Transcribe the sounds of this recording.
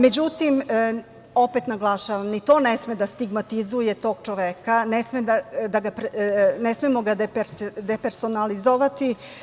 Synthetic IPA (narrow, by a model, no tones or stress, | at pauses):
me̞d͡ʑut̪im | o̞pe̞t̪naɡlˠaʃaʋamnit̪o̞ːnesmed̪ast̪iɡmat̪izuje̞t̪o̞ːɡ̚t͡ʃo̞ʋekanesmed̪ad̪aɡapɾnesmemoɡad̪epeɾd̪epeɾso̞nalizoʋat̪i